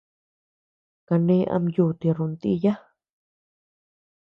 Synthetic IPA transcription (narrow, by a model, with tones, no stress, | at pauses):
ka˧nẽ˦ʔa̰˧mju˧˨t̪i˧ɾu˧nt̪ḭ˧ja˦